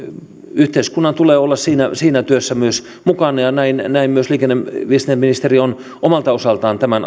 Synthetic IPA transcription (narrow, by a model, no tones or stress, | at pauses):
yht̪eiskunːɑnt̪uleːolːɑssiːnæsiːnæt̪yøsːæmyøs | mukɑnɑjɑnæinnæimmyøsliːkenːeʋiest̪neminist̪erion | omɑlt̪ɑosɑlt̪ɑːnt̪æmæn